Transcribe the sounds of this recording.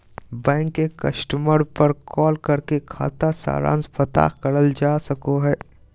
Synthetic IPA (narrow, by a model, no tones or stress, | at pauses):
bɛ̃ːŋkːekɐsʈəməɾpəɾkʰɔːlkɐɾkekʰa̰ːt̪asa̰ːɾa̰ːnsfət̪a̰ːkəɾəld͡ʒaːsɐkoɦɛː